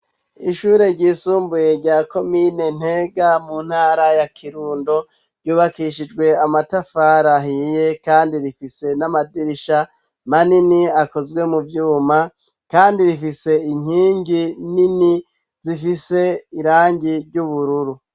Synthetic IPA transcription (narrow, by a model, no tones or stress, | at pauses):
iʃuːɾe̞ɾɟiːsuːmbuje̞ɾɟaːko̞mine̞n̥heɡamun̥haːɾajakʰiɾuːndo̞ | ɾɟuːβakiʃid͡ʒɡwe̞amatafaɾaɦiːje̞kaːndiɾifise̞namadiɾiʃa | maniniako̞zɡwe̞muvjuːma | kaːndiɾifise̞iɲ̥hiːŋɡinini | zifise̞iɾaːɲɟiɾɟuβuɾuɾu